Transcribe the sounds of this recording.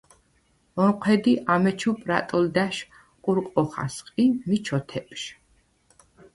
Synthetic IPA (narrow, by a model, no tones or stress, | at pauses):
ɔnqʷʰwɛd̪iʔamɛt͡ʃʰupʼɾa̰t̪ʼɔld̪aʃ | qʼuɾqʼɔχa̰sqʼimit͡ʃʰɔt̪ʰɛpʼʃ